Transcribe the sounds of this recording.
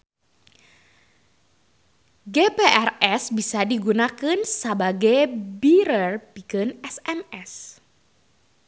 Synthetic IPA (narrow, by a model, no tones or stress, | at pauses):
ɡepeʔɛrɛsbisadiɡunakɨnsəbaɡajbiɾərpikɨnɛsɛmɛs